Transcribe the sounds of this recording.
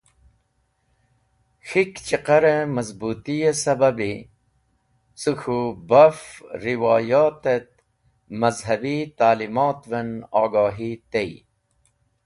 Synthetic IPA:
xikt͡ɕiqɐɾəmɐzbuːt̪ijesɐbɐbi | suxubɐfɾiwɑːjaːt̪et̪̚ | mɐzɦɐbit̪aːlimaːt̪venɑːɡaːɦit̪ej

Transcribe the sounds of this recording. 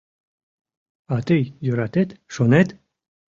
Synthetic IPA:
at̪ejjoɾat̪et̪ʃonet̪

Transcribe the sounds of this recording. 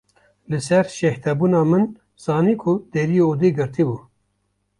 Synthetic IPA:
lɨsɛɾʃɛht̪ʰɛbuːnɑːmɨn | z̥ɑːniːkʰʊd̪̥ɛɾijeoːd̪iɡɨɾt̪ʰibuː

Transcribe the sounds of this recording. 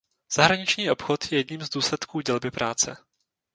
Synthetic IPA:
z̥aɦɾaɲɪt͡ʃɲiːʔo̞pxot̪jɛjɛdɲiːmzd̪uːslɛt̪kuːɟɛlbɪpɾaːt͡sɛ̰

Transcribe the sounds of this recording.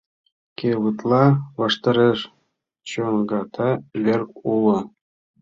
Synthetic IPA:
kʲeʋɯt̪lˠɑʋɑʂt̪ɑɾʲeʂ | t͡ɕonɡɑt̪ʰɑlʲerkulˠɤ̆

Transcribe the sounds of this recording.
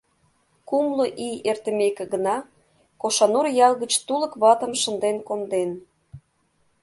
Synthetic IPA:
kumloʔiert̪ə̆mekĕɡənɑ | koʃɑnurjɑlˠɣət͡ɕt̪uləkβɑt̪ə̆mʃə̆nd̪enkomd̪en

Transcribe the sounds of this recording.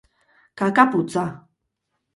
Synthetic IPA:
kakaput͡sʼa

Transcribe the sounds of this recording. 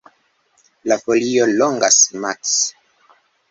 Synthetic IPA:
lafolioloŋɡasmaks

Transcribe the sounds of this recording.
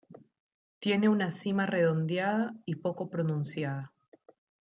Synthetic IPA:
t̪je̞ne̞unasimare̞ðo̞nd̪jaðaipo̞ko̞pɾo̞nũnsjaða

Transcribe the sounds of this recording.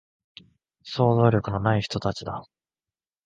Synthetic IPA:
so̞ːzo̞ːɾʲo̞kɯ̟no̞naiçi̥t̪o̞t̪at͡ɕid̪a

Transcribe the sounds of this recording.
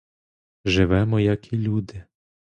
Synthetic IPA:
ʒɪʋɛmɔjɐkʰilʲud̪ɪ

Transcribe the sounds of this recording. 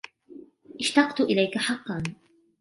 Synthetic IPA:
ʔɪʃt̪ɑqt̪ʊʔɪlajkaħɑqːɑn

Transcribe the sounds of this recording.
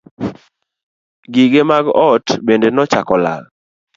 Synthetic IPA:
ɡiɡemaɡɔtbendenɔt͡ʃakɔla̰l

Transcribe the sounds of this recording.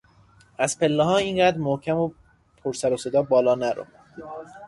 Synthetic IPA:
æzpʰe̞lːeɦɒːiːnɢæd̪ɾmohcʰæmo | pʰoɾsæɾosed̪ɒːbɒːlɒːnæɾo̰

